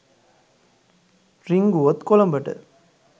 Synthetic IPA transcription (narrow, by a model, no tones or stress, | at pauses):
ɾiŋɡuɔt̪kɔlɐmbɐʈːɯ̰